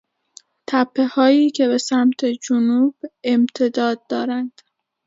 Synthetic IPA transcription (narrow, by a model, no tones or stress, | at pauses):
t̪ʰæpʰːe̞hɒːjiːcʰe̞βe̞sæmt̪ʰe̞d͡ʒonuːb̥e̞mt̪ʰe̞d̪ɒːd̪̚ːɒːɾænd̪̥